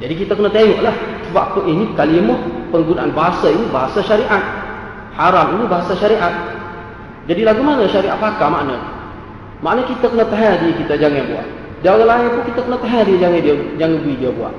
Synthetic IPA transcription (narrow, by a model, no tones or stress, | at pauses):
d͡ʒadikit̪akənət̪eŋuʔlahsəbaʔpəʔinikalimɔpəŋɡunaʔanbaɦasaimubaɦasaʃaɾiʔat̪̚ | haɾamimubaɦasaʃaɾiʔat̪̚ | d͡ʒadilaɡumanəʃaɾiʔat̪fakamaʔnə | maʔnəkit̪akənət̪aɦadiəkit̪ad͡ʒaŋanbua̰ʔ | daolalait̪ukit̪akənət̪aɦadiəd͡ʒaŋadiəd͡ʒaŋəbuidiəbua̰ʔ